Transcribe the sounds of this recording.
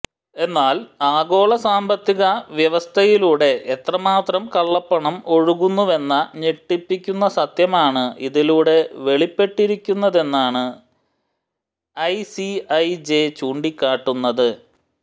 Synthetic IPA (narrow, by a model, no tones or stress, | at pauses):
e̞nːaːlaːɣo̞ːɭɐsaːmbɐt̪ːiɣɐʋjɐʋɐst̪ʰɐjiluːɽe̞ʔet̪rɐmaːt̪rɐmkɐɭːɐpːɐɳɐmo̞ɻuɣunːuʋe̞nːɐɲeʈːipːikʲːunːɐsɐt̪jɐmaːɳɨiðiluːɽe̞ʋe̞ɭipːe̞ʈːiɾikʲːunːɐðe̞nːaːɳɨ | ɐjsiɐjd͡ʑet͡ɕuːɳɖikʲːaːʈːunːɐðɨ